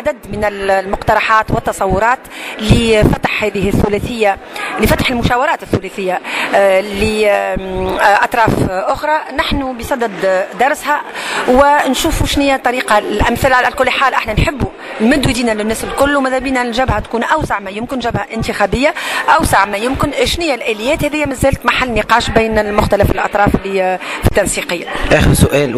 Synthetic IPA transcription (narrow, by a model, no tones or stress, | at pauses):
ʕad̪æd̪mɪnɪlmʊqt̪ɑɾˤɑħɑːt̪wɪt̪ːɑsˤɑwːʊɾˤɑːt̪lifæt̪ḁħhæːðɪhɪθːʊlæːθɪjːa | lifæt̪ḁħɪlmʊʃæːwɑɾˤɑːt̪ɪθːʊlæθɪjːa | li | ʔɑt̪ˤɾˤɑːfʔʊxɾˤɑnaħnubisˤɑd̪ɪd̪d̪ɑɾˤshæwɪnʃuːfuʃnɪjːæt̪ˤːɑɾiːqɑlʔæmθɪlʕalækʊlːħaːlʔaħnænħɪbːu | lmɪd̪wid̪iːnælɪnːæːsɪlkʊlːwmɪðæbiːnælʒæbhæt̪kuːnʔawsaʕmɛjʊmkɪnʒæbhæʔɪnt̪ixæːbɪjːaʔawsaʕmɛjʊmkɪnʃnɪjːælʔæːlɪjːɛːt̪hɛðɪjːæmæzːæːlt̪maħalːniqɑːʃbiːnɪlmʊxt̪ælæfɪlʔɑ̰t̪ˤɾˤɑːflifi̥t̪ːɑnsiːqəjːaʔæːxəɾsʊʔɛːl